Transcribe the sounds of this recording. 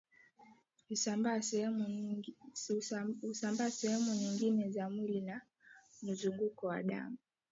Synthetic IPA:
usamba | husambaːsɛhɛmuɲiŋɡinɛzamwilina | m̩zuŋɡukɔwa̰ɗa̰mu

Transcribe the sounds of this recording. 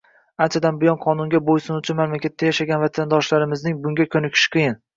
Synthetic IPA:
ant͡ʃʰad̪anbɪjɒnqʰɒnʊŋɡʲabojsʊnʊt͡ʃʰɪnmamlakʲat̪ʰːajaʃaɡʲanvat̪ʰand̪ɒʃlaɾɪmɪznɪŋbʊŋɡʲakʲʰɵnɪkʲʰɪ̥ʃqʰɨjɪn

